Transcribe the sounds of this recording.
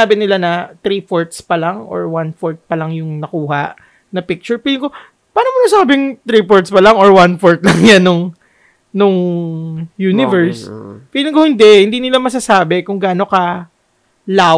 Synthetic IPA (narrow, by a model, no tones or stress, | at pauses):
aːbɪnɪlanɐt̪ɾiːpoɹt̪spɐlaŋʔo̰ɹwanfoɹt̪̚pɐlɐŋjʊŋnɐkuːɦɐʔ | nɐpɪk̚t͡ʃʊɹpiːlɪŋko | paːnomɐnɐsaːbɪŋt̪ɾipoɹt̪spɐlaŋoɹwanfoɹt̪̚lɐŋjanːʊŋ | nʊŋ | juːnɪvɛɹspiːlɪŋkohɪnd̪ɛʔhɪnd̪iːnɪlamɐs̬asaːbɛkʊŋɡaːno̞kɐ | laː